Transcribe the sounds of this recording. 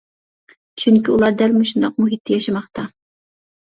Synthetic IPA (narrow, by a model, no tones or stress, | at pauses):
t͡ʃʰyŋkʲiulˠɑɾd̪ælmuʃund̪ɑq̚muɦit̪ʰːɪjɑʃɑmɑχt̪ɑ